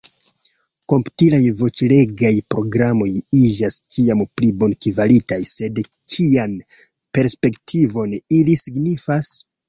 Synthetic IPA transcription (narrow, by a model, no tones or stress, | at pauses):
ko̞mptilajvo̞t͡ʃile̞ɡajpɾo̞ɡɾamo̞jid͡ʒast͡ʃiamplibo̞nkivalitajse̞dt͡ʃʰian | pe̞ɾspe̞ktʰivo̞nilisiɡnifas